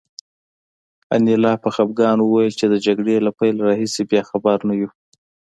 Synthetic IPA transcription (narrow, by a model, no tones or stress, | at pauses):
a̰nilɑpəxabɡɑnwuwɑjilt͡ʃed̪əd͡ʒaɡɽelapajlɾɑɦisebjɑxabaɾnaju